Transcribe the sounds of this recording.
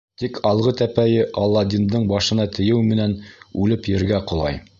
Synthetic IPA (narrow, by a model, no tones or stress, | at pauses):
t̪ikʰɑlˠʁɤt̪æpæjɘʔɑlˠːɑd̪ʲind̪ɤɴbɑʃɤ̆nɑt̪ɘ̆jɘwmɘ̆nænʉlɘpjɘ̆ɾɡæqŏlˠɑ̰j